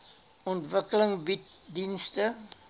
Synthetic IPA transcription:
ɔntvəkələŋbitdinstə

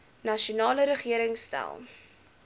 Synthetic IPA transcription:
nɐʃunɑːləɾəχiəɾəŋstæ̰lˠ

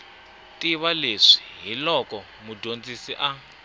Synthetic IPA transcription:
tʼiβaleʂi̥ɦilɔkɔ | mudʱond͡zisiʔa

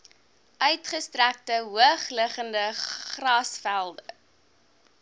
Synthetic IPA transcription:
ʔœɥtχəstræk̚təɦuəχləχəndəχrɑːsfælˠdə

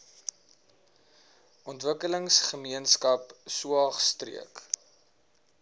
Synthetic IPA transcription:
ʔɔntvəkələŋsχəmiənskɐpsuɑχstrḭək

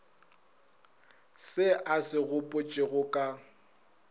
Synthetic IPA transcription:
sɪʔasɪɣʊpʼʊt͡ʃʼɪɣʊkʼa

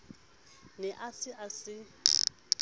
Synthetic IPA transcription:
nɛʔasɪʔasɪ

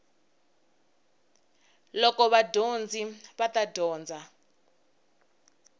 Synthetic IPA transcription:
lɔkɔβadond͡ziβat̪adʱɔːnd͡zʱa

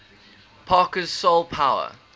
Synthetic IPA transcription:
pʰɑːˑkəz̥solˠpʰaʊə̰

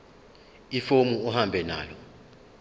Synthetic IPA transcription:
ifomuɔhambʱɛna̰ːlɔ

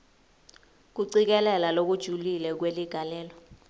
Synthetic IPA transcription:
k̬uǀik̬ɛlɛlalok̬ud̥ʒ̥ʱulilɛk̬weliɡ̥ʱalɛːlɔ

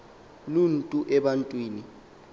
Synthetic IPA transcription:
luntʼuʔɛɓantʼwiːni

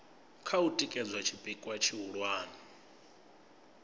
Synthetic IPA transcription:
kʰautʼikʼɛd͡zwat͡ʃʰibʼikʼwat͡ʃʰiɦuɺwaːnɔ

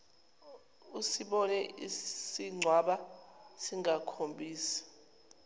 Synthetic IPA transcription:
usiɓɔnɛisiŋ͡ǀʱwaɓasiŋʱakʰombʱiːsḁ

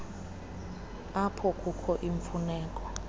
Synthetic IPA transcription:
apʰɔkʼukʰɔʔiɱfunɛːkʼɔ

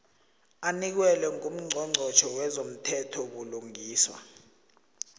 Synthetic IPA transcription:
anik̬wɛlɛŋum̩ŋ͡ǀʱɔŋ͡ǀʱɔt͡ʃʰɔwɛzom̩tʰɛtʰɔɓuluŋiːswa̰

